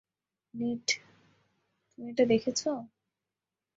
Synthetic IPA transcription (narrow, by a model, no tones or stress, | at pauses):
niʈ | t̪umieʈad̪ekʰet͡ɕʰo